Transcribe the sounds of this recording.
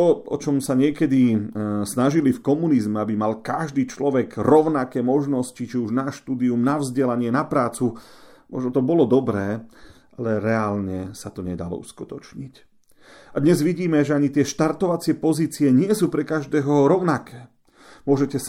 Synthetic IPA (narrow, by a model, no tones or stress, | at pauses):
t̪ɔɔ̰t͡ʃɔmsaɲɪɛkɛd̪isnaʒilifkɔmunizmɛabimalkaʒd̪iːt͡ʃlɔʋɛɡɾɔʊnakɛːmɔʒnɔscit͡ʃiuʒnaʃt̪uːd̪iumnavzɟɛlaɲɪɛnapɾaːt͡sumʔɔ̰ʒnɔt̪ɔbɔlɔd̪ɔbɾɛː | ʔalɛɾɛaːlɲɛsat̪ɔɲɛd̪a̰lɔ̰uskut̪ɔt͡ʃɲic | ad̪ɲɛzʋiɟiːmɛʒɛaɲit̪ɪɛʃt̪aɾt̪ɔʋat͡sɪɛpɔziːt͡siɛɲɪɛsuːpɾɛkaʒd̪ɛːɦɔɾɔʊnakɛː | mʊɔʒɛcɛs